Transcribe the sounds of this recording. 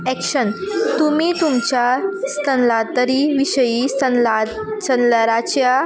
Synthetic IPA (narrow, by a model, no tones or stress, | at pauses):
ɛkʂənt̪umiːt̪umt͡ɕjast̪ʰənlat̪əɾiʋiɕəjisəa | t͡ɕənləɾat͡ɕja